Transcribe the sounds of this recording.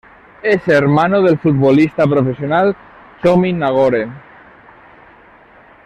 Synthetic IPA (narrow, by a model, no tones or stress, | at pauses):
eseɾmanoð̞elfut̪̚βolist̪apɾofesjonal | tominaɣ̞oɾe